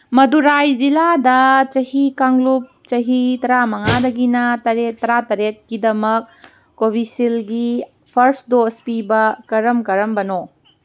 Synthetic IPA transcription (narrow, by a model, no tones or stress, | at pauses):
mɐduɾajd͡ʒiladɐt͡ʃɐhikaŋlup̚t͡ʃɐɦitɐɾamɐŋadɐɡinɐtɐɾetːɐɾatɐɾet̚kidɐmɐk̚ː | obʱisilɡi | pʰɐɾsdospibɐkɐɾɐmkɐɾɐmbɐno